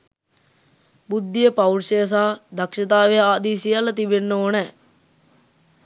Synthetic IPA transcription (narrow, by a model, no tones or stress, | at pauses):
bud̪ːijəpawlʃejs̬aːd̪ɐkʃɐt̪̬aːʋejaːd̪iːsijalət̪ibenːooːnɛː